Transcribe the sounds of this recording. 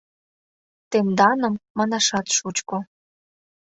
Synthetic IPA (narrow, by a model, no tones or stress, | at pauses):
t̪emd̪ɑnə̆mːɑnɑʃɑt̪ʃut͡ɕko